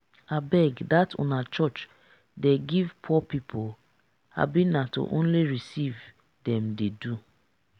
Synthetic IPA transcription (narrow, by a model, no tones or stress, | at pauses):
abɛɡdatʰõ̰nat͡ʃɔt͡ʃ | deɡivpʰɔpipʰo | a̰bĩnato̰ʔõnliɹisiv | dɛ̃mdedu